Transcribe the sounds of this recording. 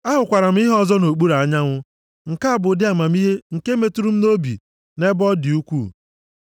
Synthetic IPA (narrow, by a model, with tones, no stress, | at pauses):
a˦ɦʊ˨kʷa˨ɾa˨m̩˦ɪ˦ɦɔ˦zɔ˦no˨k͡pu˦ɾa˨˦ɲa˦ŋʷʊ˦ | ŋ̩˨ka˦a˨bʊ˨dɪ˦a˨ma˨m˦i˦ɦe˦ŋ̩˨ke˦me˨tu˦ɾu˦m̩˦no˦bḭ˨ | ne˦bɔ˦dɪ˨u˦kʷṵ˦˨